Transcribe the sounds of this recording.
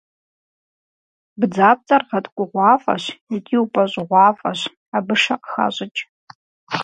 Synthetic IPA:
bd͡zaːp̚t͡sʼɐrʁɐtkʷʼʊʁʷɑːfʼɐ̰ɕitʼʰiːwpʼɐɕʼɪʁʷɑːfʼɐɕ | abɨʂɐqxa̰ɕʼɪt͡ʃʼ

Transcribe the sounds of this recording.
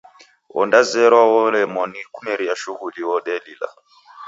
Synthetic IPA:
ɔ̰ndazɛɾwɔlɛmɔnikumɛɾiaʃuɣuliwɔɗɛlila̰

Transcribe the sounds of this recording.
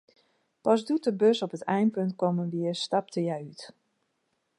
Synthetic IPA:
pazdutəbøsɔpətɛjnpønt̚kɔmənʋiəstɑp̚təjɛjyt

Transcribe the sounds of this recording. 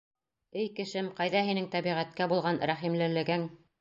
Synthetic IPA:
ɘjkɘ̆ʃɘmqɑjðɑɦinɘŋt̪æβiʁæt̪kæbulˠʁɑnɾæχimlɘ̆lɘ̆ɡɘŋ

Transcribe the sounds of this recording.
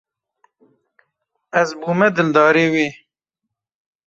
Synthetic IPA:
ɐzbuːmɛd̪ɨld̪ɑːɾeːweː

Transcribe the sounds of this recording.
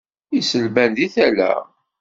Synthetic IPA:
isəlbænðiθælæ̰

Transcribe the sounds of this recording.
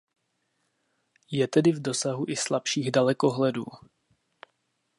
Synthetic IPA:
jɛt̪ɛdɪvdo̞saɦuʔɪslapʃiːɣdalɛko̞ɦlɛduː

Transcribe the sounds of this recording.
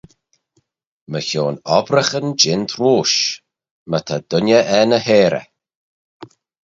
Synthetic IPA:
məçoːnɔbɾəxənd͡ʒɪnt̪ʰɾuːʃ | mət̪ʰad̪̥ʊnəʔɛnəheːɾə̰

